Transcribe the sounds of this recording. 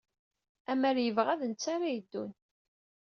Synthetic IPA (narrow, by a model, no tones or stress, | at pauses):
æmæɾjəvʁæðənt͡sːaɾajəd̪ːun